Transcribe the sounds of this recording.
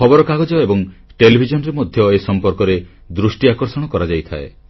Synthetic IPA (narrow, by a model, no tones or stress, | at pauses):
kʰɔbɔɾɔkaɡɔd͡ʒɔebɔŋʈelibʱid͡ʒɔnɔɾemɔd̪ʱjɔesɔmpɔɾkɔɾe | d̪ɾusʈiakɔɾsɔɽ̃ɔkɔɾad͡ʒajt̪ʰa̰e